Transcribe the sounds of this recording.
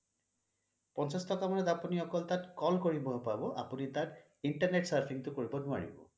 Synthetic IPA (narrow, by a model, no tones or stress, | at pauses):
pɔnt͡sastɔkamɔned̪apɔniɔkɔlt̪atkɔlkoɹibɔɦpabɔʔa̰punit̪aɾ | iɳʈaɾneʈsaɾpʰiŋt̪ukoɹibɔnua̰ɹḭbɔ̰